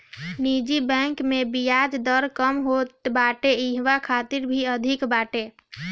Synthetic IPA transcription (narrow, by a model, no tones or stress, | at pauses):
nid͡ʒibɛ̃ŋkmebijad͡ʒd̪əɾkəmɦot̪baʈeiɦʋakʰat̪iɾbʱiəd̪ʱikbaʈe